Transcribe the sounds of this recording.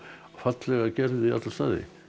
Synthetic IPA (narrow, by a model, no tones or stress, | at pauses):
fat̪lɛɣacɛɾðɪia̰t̪last̪a̰ːðɪ̰